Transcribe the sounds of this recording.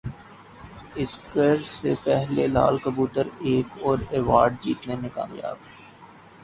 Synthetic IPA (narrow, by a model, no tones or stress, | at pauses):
ɪskəɾsepɛɦlela̰ːlkəbuːt̪əɾeːkɔːɾeːʋaːɾɖ̚d͡ʒiːt̪nemẽka̰ːmja̰ːb